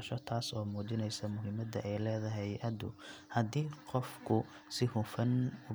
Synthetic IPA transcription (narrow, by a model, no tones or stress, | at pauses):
ʃɔt̪ʰaːsɔːmuːt͡ʃɪnɛjsɐmʊɦɪmɐd̪ɐ̰ʔɛjlɛːðɐɦɛjʔɐd̪ʊ̰hɐd̪iːqɔfkʰʊ | sɪhʊfɐnʊ